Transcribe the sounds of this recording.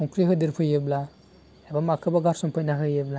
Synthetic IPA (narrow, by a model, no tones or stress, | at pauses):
ɔŋkɾiɦɯdiɾpʰɯjɯbla | ebamakʰɯbaɡaɾsɔmpʰɯjnaɦɯjɯbla